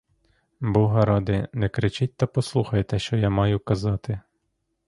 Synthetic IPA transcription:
bɔɦɐɾɑd̪ɪnɛkɾɪt͡ʃɪt̚ʲt̪ɐpɔslˠuxɐjt̪ɛʃt͡ʃɔjamɑjʊkɐzɑt̪ɪ

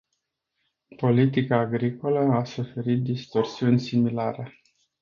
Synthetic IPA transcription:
po̞lit̪ikaːɡɾiko̞ləasufe̞ɾit̪̚d̪ist̪o̞rsiunʲsimilaɾe

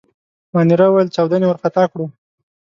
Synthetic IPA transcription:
mɑniɾawajəlt͡ʃɑwd̪anewəɾqat̪ɑkɽu

